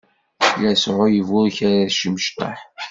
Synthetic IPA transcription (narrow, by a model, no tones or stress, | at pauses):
jæsʕʊjəvʊɾçæɾæðʃəməʃt̪ˤɑ̰ħ